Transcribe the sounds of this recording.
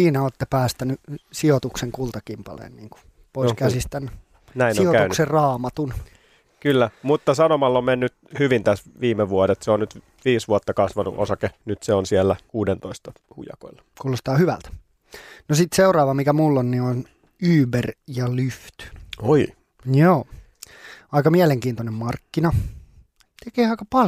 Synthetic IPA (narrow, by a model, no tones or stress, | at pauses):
siːnæoːt̪ːepæːst̪ænysiot̪ukseŋkult̪ɑkimpɑ̰lḛːnniːŋku̥ | poiskæsist̪æn | næinoioæynkserrɑːmɑt̪un | kylːæmut̪ːɑsɑnomɑlːommenːyt̪hyʋint̪æsʋiːmːeʋuodet̪seonnyt̪ | ʋiːsʋuɑt̪ːɑkɑsʋɑnṵʔo̰sɑkenyt̪seonsielːækuːdent̪oist̪ɑ | hṵjɑ̰ko̰ilːɑ̥kuːlost̪ɑːhyʋæ̰lt̪ | nosit̪seurɑːʋɑmikæmulːonnion | yːberjɑlyft̪yoi | joː | ɑikɑmiæleŋkiːnt̪onemmɑrkːinɑ | t̪ekeːɑikɑpɑ